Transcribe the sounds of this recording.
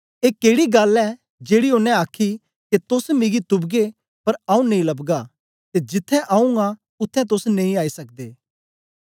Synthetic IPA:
eːkeːɽiɡɐlɛː | d͡ʒeːɽiʊnːɛ̃aːkʰːi | ket̪ʊsmɪɡit̪ʊbɡe | pɐɾaːũnɐĩlɐbɡa | t̪ed͡ʒɪt̪ʰːɛ̃ʔaũa | ʊt̪ʰːɛ̃t̪̬ʊsnɐ̃ĩaːisɐk̚d̪eː

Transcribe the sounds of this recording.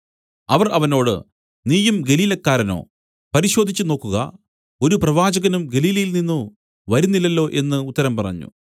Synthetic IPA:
ɐʋɐrɐʋɐno̞ːɽɨ̰ | niːjumɡe̞liːlɐkːaːɾɐno̞̰ː | pɐɾiɕo̞ːd̪ʱit͡ɕːɨno̞ːkːuɣɐ̰ | o̞ɾuprɐʋaːd͡ʑɐɣɐnumɡe̞liːlɐjilninːu | ʋɐɾunːilːɐlːo̞ːʔe̞nːɨut̪ːɐɾɐmpɐrɐ̰ɲːṵ

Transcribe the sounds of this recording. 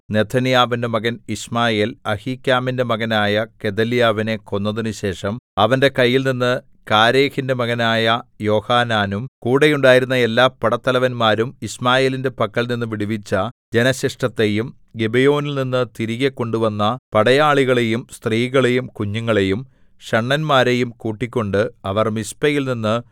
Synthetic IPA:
ne̞t̪ʰːɐnijaːʋindemɐɣɐnismaːje̞ːlɐhiːkʲːaːmindemɐɣɐnaːjɐke̞d̪ɐlijaːʋine̞ko̞nːɐðinuɕe̞ːʂɐmɐʋɐnde̞kɐjːilninːɨ | kaːɾeːxindemɐɣɐnaːjɐjo̞ːhaːnaːnumkuːɽejuɳɖaːjiɾunːɐe̞lːaːpːɐɽɐt̪ːɐlɐʋɐnmaːɾumismaːje̞ːlinde̞pɐkːɐlninːɨʋiɽiʋit͡ɕːɐd͡ʑe̞nɐɕɐʂʈɐt̪ːe̞jum | ɡebejo̞ːnilninːɨt̪iɾiɣekːo̞ɳɖuʋɐnːɐpɐɽɐjaːɭiɣɐɭe̞jumst̪riːɣɐɭejumkuɲːuŋːɐɭe̞jum | ɕɐɳːɐnmaːɾe̞jumkuːʈːikʲːo̞ɳɖɨɐʋɐrmispɐjilninːɨ

